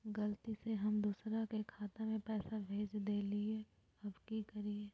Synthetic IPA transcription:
ɡɐlt̪iseɦɐmd̪uːsɾakekʰaːt̪emẽpɛːsabʱeːt͡ʃd̪eːlie | ɐbkikɐɾie

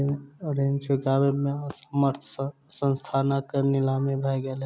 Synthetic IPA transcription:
ɾent͡ʃʰuɡabemesəməɾt̪ʰ | sənst̪ʰanakenilamebʱɛɡel

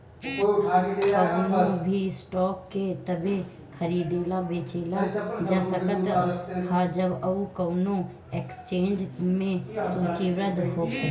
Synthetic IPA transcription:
kɐnõbʱisʈɔːkːet̪ɐbe | kʰɐɾiːd̪eːlabeːt͡ʃeːlad͡ʒasəkət̪ːhaːd͡ʒɐbɐukɐːnõ | ekst͡ʃẽːnd͡ʒmẽsuːt͡ʃiʋɾəd̪ɦoːk

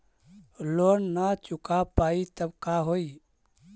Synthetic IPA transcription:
loːnːat͡ʃʊkapaːit̪əbkaɦoi

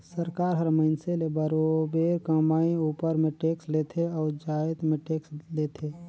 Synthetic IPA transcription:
səɾkaːɾɦəɾməɪnselebəɾobeːɾkəmaːẽuːpəɾmẽʈeːksleːt̪ʰeɔːɾd͡ʒaːt̪mẽʈeːksleːt̪ʰeː

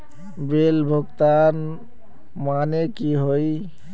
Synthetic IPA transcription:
belbʱoɡt̪an | manekiɦoj

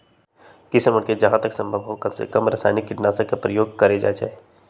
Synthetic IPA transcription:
kɪsəmʊɽked͡ʒɐɦãt̪əksə̃mbʱəbɦowkɐmsḛkəmɾɐsa̰ːnɪkːɪʈnaːsəkepɾəjoːɡ̚kɐɾed͡ʒa̰ːd͡ʒa̰ːe

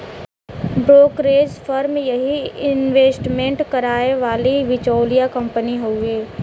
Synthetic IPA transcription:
bɾoːkɾeːd͡ʒfʰəɾmjɐɦiɪnʋeːsʈmẽɳʈkɐɾaːeʋaːliʋɪt͡ʃoːlijakɐ̃mpəniɦoːeː

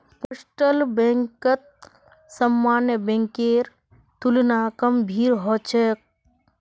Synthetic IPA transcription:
posʈəlbẽŋkət̪̚ | səmːaːnjəbẽŋkeːɾ | t̪ulnaːkəmbʱiːɾɦɔt͡ʃʰek̚

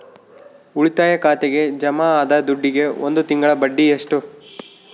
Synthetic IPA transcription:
uɭit̪aːjɐkaːt̪eɡe̞d͡ʒɐmaaːd̪ɐd̪uɖːiɡe̞ond̪ut̪iŋɡɐɭɐbɐɖːieʂʈu

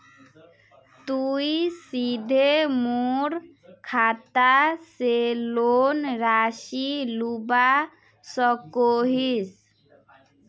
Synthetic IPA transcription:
t̪uisid̪ʱemuɾ | kʰat̪aselonɾaʃiluba | sɔkoɦis

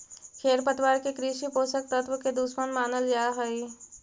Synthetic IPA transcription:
kʰeːɾpət̪ʋaːɾkekɾiːʃipoːsək̚t̪ət̪ʋwəked̪uːsmənmaːnəld͡ʒaɦəi

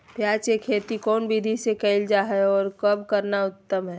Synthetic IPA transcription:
pjaːt͡ʃekʰeːt̪ikɔːnbid̪ʱisekɛɪld͡ʒaɦɛɔːɾkɐbkɐɾnaʊt̪ːəmɦɛː

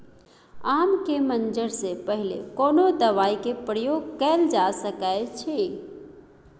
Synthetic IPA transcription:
amkemənd͡ʒəɾsepəɦilḛkonod̪əʋaikepɾəjoɡkɛld͡ʒasəkət͡ʃʰi

